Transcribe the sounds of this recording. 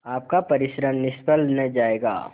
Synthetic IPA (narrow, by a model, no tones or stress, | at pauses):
aːp̚kapɐɾɪʃɾəmnɪʃpəlnəd͡ʒaːeːɡa̰ː